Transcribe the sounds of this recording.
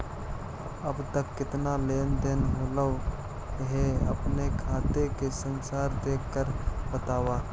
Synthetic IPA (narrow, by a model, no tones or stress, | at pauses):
əbt̪əkːɪt̪naleːnd̪enɦoːlə | ɦeə̰pnekʰaːt̪ekesənsaːɾd̪eːkːəɾbət̪aːwaː